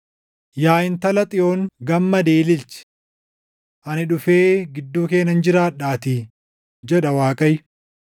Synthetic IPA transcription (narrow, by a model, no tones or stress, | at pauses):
jaːjɪnt̪ɐlɐt̪ʼɪo̞ːŋɡɐmːɐd̪eːlɪlt͡ʃɛ̥ | ʔɐnɪᶑʊfe̞ːɡɪd̪ːuːke̞ːnːɐnd͡ʒɪɾaːᶑaːt̪i | d͡ʒɛᶑɐwaːkʼɐj